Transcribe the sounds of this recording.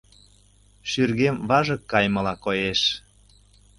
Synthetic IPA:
ʃyrɣemβɑʒɤ̆kːɑjmɤ̆lɑkojeʃ

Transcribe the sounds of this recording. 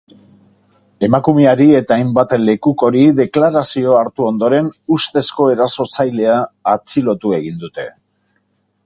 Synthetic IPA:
e̞makume̞aɾie̞t̪aːjmbat̪le̞kuko̞ɾiðe̞klaɾasio̞aɾt̪uo̞nd̪o̞ɾe̞nust̪e̞sko̞e̞ɾaso̞sajle̞aːt͡silo̞t̪ue̞ɣind̪ut̪e̞

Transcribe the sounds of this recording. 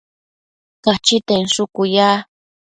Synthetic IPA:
kat͡ʃɪt̪eŋsʊkʊjaː

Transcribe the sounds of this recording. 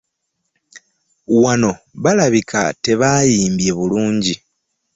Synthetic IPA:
wano̞βalaβikʰa̰te̞βajiːmbje̞βuluːɲɟi

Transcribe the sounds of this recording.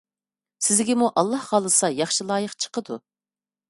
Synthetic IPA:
sɪzɡʲɪmuʔɑlˠːɑhʁɑlˠɨsɑjɑχʃilˠɑːjəqt͡ʃʰə̥qəd̪ṵ

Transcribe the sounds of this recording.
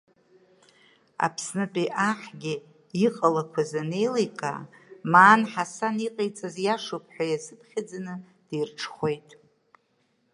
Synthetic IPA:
a̰pʰsnɨpʼiʔaħɡʲɪ | iqʼalakʷʰazane̞jlejkʼa̰maːnħasaniqʼejt͡sʼazjaʂopʰʼħʷᶣajazɨpʰχʲad͡zanɨ | d̥ejrʈ͡ʂʰχʷe̞jtʼ

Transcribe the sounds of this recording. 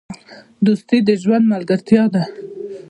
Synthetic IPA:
d̪ust̪id̪əʒwand̪malɡaɾt̪jɑd̪a

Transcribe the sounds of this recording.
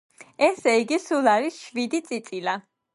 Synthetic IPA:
ɛsɛiɡisulˠaɾisʃvid̪it̪sʼit̪sʼila

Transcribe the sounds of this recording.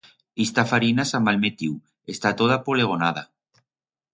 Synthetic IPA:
ist̪afaɾinasamalmet̪iuw | est̪at̪oð̞apoleɣ̞onað̞a

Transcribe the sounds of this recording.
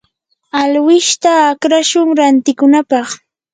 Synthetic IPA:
alwɪʃt̪aːkɾaʃʊŋɾant̪ɪkʊnapɑχ

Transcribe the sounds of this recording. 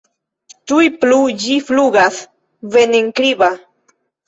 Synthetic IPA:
t̪ujplujifluɡas | veneŋkɾiβa

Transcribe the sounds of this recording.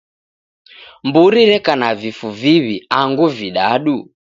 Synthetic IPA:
mbuɾiɾɛkanavifuviβiaŋɡuviɗaɗu

